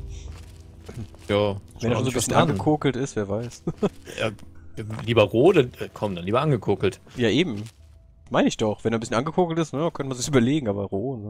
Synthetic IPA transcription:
jaːvɛndeːʃonzobsçənʔanɡəkʰoːkl̩tɪstveːɐvaɪsa̰ | liːbɐʁoːdəəːkʰɔmdanliːbɐʔanɡəkʰʊːkl̩tjaːʔeːbm̩ | maɪnəɪçd̥ɔχv̥ɛndeaɐnbɪsçənʔanɡəkʰʊːkl̩tɪstnəjakʰœntəmanzɪçyːbɐleːɡŋ̩ʔaːbɐ̰ʁoːnə

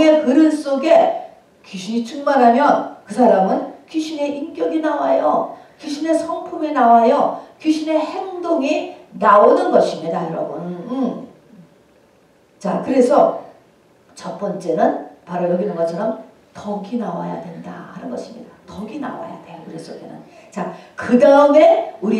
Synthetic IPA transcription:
e̞kɯɾɯɭs͈oɡe̞ | kuɕʰiɲit͡ɕʰuŋmaɾɦamjʌnkɯsʰaɾamɯnkiɕʰine̞ʔimk͈jʌɡinawajʌkyɕʰine̞sʰʌŋpʰuminawajʌkyɕʰine̞he̞ŋdoŋinaod͡ʑʌnɡʌɕʰimɲidajʌɾʌ̰bun | t͡ɕakɯɾe̞sʰʌ | t͡ɕʌp͈ʌnt͡ɕ͈e̞nɯnpaɾojʌɡinɯnɡʌt͡ɕʰʌɾʌm | tʌɡinawa̰ja̰dwe̞nda̰haɾɯnɡʌɕʰimɲḭd̥atʌɡina̰wa̰ja̰dwe̞kɯɾe̞sʰʌkenɯ̰n | t͡ɕakɯdaɯme̞uɾi

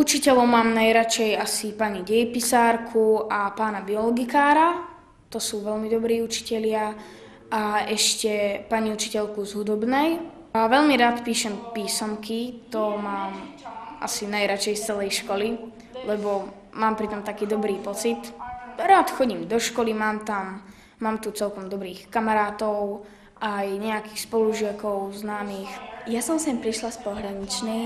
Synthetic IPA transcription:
ut͡ʃicɛlɔʊmaːmnajɾat͡ʃɛjasipaɲiɟɛjipisaːɾkʰuʔapaːnabiɔlɔɡikaːɾa | t̪ɔsuːʋɛlmid̪ɔbɾiːut͡ʃi̥cɛlɪa | aɛʃcɛpaɲiut͡ʃi̥cɛʎkuzɦud̪ɔbnɛj | aʋɛʎmiɾaːt̪piːʃɛmpiːsɔmkit̪ɔmaːmʔa̰sinajɾat͡ʃɛjst͡sɛlɛjʃkɔli | lɛbɔ | maːmpɾit̪ɔmt̪akiːd̪ɔbɾiːpɔt͡sit̪ɾaːt̪xɔɟimd̪ɔʃkɔlimaːmt̪amː | aːmt̪ut͡sɛlkɔmd̪ɔbɾiːxkamaɾaːt̪ɔʊ | ʔajɲɛakiːxspɔluʒɪakɔʊznaːmiːxjasɔmsɛmpɾiʃlaspɔɦɾaɲit͡ʃni

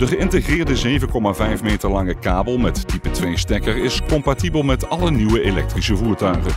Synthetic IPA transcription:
d̥əχəɪntəχrɪːɹdəzejvənkɔmaːvɛjfmeːjtəɹlɑŋəkaːbəlˠmɛtdipətʋejstɛkəɹɪskɔmpatibəlˠmɛtɑləniwəelɛ̰k̚trisəvuːɹtœɥχən

